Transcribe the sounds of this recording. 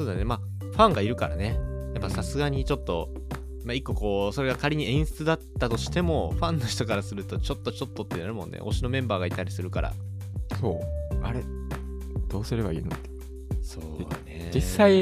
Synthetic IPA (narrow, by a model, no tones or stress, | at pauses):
soːd̪anema | ɸãŋɡaiɾɯ̟kaɾa̰ne̞japːasasɨɡaɲ̟it͡ɕo̞t̪ːo̞ | maikːo̞ko̞ːso̞ɾe̞ɡakaɾʲiɲ̟iẽ̞ɰ̃sɨ̥t͡sɨd̪at̪ːat̪o̞ɕi̥t̪e̞mo̞ɸãnːo̞çi̥t̪o̞kaɾasɨɾɯ̟t̪ot͡ɕo̞t̪ːo̞t͡ɕo̞t̪ːo̞t̪ːenaɾɯ̟mõ̞nːʔḛʔo̞ɕino̞mẽ̞mbaːɡait̪ːaɾʲisɨɾɯ̟kaɾa̰ | so̞ːaɾe | d̪̥o̞ːsɨɾe̞ba̰ḭːnot̪ːe̥ | soːned͡ʑisːai